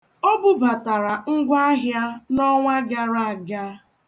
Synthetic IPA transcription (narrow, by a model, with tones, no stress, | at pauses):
ɔ˦bʊ˦ba˨ta˨ɾa˨ŋ̩˦ɡʷa˦ɦja˦nɔ˦ŋʷa˦ɡa˦ɾa˦a˨ɡa˦